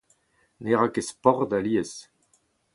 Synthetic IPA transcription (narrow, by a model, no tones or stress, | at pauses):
neʁakespɔʁd̪aliɛs